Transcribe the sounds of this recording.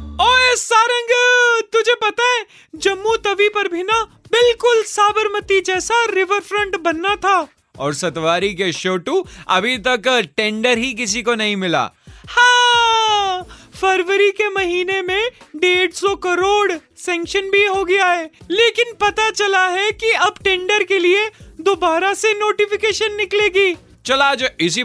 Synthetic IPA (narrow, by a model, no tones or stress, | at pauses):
ɔːesaːɾə̃ŋɡt̪ʊd͡ʒʱepɐt̪aɦɛ̃ | d͡ʒɐmːut̪ɐʋipɐɾbʱina | bɪlkʊlsaːbʱəɾmət̪id͡ʒɛːsaɾɪʋəɾfɾə̃ɳʈbɐnːat̪ʰaː | ɔːɾsɐt̪ʋaːɾik̬eʃoːʈuɐbʱit̪ɐkʈẽːɳɖəɾɦik̬ɪsikonɐɦĩmɪla̰ːhãː | fɐɾʋəɾikemɐɦiːnemẽɖeːɽsɔkɐɾoːɽ | sɛ̃ːŋkʃənbʱiɦoɡɐjaɦɛːleːkɪnpɐt̪at͡ʃɐlaɦɛkiɐbʈẽːɳɖəɾkelied̪oːbaːɾasenoːʈɪfɪkeːʃənːɪkleːɡiː | t͡ʃɐlaːd͡ʒɪs̬i